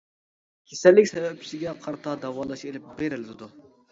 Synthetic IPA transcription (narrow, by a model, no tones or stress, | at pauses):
kʲʰesɛlːɪkʲsɛvɛp̚t͡ʃʰi̥sɪɡʲɛqʰɑɾt̪ʰɑd̪ɛwɑːlˠɑʃelɪp̚beɾɪld̪ɪd̪u